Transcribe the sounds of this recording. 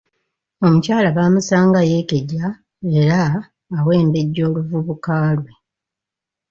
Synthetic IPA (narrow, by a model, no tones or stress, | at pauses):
o̞mucaːlaβaːmusaːŋɡaje̞ke̞ɟa | e̞ɾaː | we̞ːmbe̞ɟːo̞ːluvuβukaːlwe̞